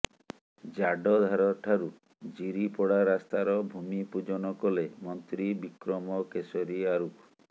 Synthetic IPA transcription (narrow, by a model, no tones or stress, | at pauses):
d͡ʒaɖɔd̪ʱaɾɔʈʰaɾu | d͡ʒiɾipɔɽaɾast̪aɾɔbʱumipud͡ʒɔnɔkɔlemɔnt̪ɾibikɾɔmɔkesɔɾiaɾuk